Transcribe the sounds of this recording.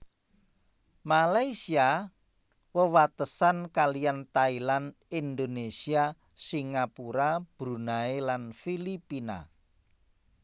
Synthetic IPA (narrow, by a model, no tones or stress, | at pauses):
malaisia | wəwat̪əsankaliant̪ailan | ind̪onesia | siŋapuɾab̥ɾunaelanfilipina̰